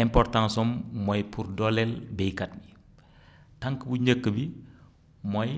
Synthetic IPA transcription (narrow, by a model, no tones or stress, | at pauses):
ɛmpɔrtãŋsɔmːɔjpʰurdɔlɛlbɛjkɐt̚bi | tɐŋkəbuɲəkːəbi | mɔj